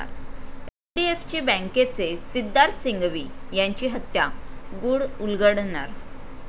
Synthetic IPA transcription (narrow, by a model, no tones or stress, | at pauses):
a̰ɾefɖieft͡ɕibə̃ŋket͡sesid̪ːaɾsiŋɡʋiːjãɲt͡ɕiːɦət̪jaɡuɽulɡəɽna̰ɾ